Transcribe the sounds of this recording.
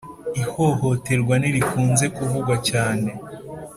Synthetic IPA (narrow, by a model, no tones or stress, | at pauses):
ihoho̞te̞ɾɡwaniɾikuːnze̞kuvuɡwacaːne̞